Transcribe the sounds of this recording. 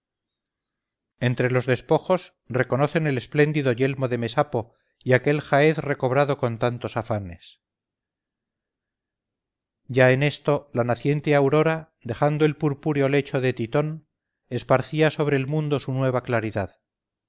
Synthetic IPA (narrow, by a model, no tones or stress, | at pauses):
e̞nt̪ɾe̞lo̞zðe̞spo̞xo̞s | re̞ko̞no̞θe̞ne̞le̞sple̞nd̪iðo̞ʝe̞lmo̞ðe̞me̞sapo̞ | iake̞lxaeθre̞ko̞βɾaðo̞ko̞nt̪ant̪o̞safane̞s | ɟ͡ʝaene̞st̪o̞lanaθje̞nt̪eawɾo̞ɾa | ðe̞xand̪oe̞lpuɾpuɾjo̞le̞t͡ʃo̞ðe̞t̪it̪o̞n | e̞spaɾθiaso̞β̞ɾe̞ːlmũnd̪o̞sunwe̞β̞aklaɾiðað